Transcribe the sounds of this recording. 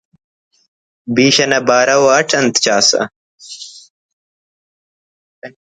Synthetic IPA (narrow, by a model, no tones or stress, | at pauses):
biːɕɐnɐbaːɾɐwɐʈʰɐnt̪t͡ɕaːsɐ̰